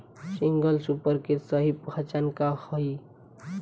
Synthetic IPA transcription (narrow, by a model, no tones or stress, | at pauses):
siŋɡəlsupəɾkesəɦipɡʰʱat͡ʃankahɔi